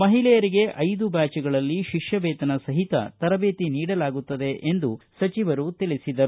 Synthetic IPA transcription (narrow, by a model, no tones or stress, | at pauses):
mɐɦilɛjɐɾiɡe̞ʔɐjd̪ubaːt͡ʃɛɡɐɭɐlːiʃiʂjɐbeːt̪ɐnɐsɐɦit̪ɐ̰t̪ɐɾɐbeːt̪iniːɽɐlaːɡut̪ːɐd̪e̞ʔend̪usɐt͡ʃiʋɐɾut̪ilisid̪ɐɾu